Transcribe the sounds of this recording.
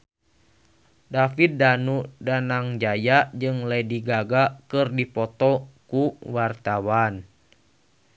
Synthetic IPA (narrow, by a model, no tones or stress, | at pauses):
dafit̪̚danudanaŋd͡ʒajad͡ʒɨŋlɛdiɡaɡakɨrdipɔt̪ɔkuwart̪awan